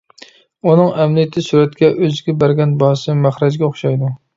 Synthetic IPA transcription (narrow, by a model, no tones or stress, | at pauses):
unɨŋæmlijɛt̪ʰɪsuɾɛt̪̚kʲɛʔøzɡʲɛbæɾɡʲɛnbɑhsɨmæχɾɛd͡ʒɡʲɛoχʃɑjd̪u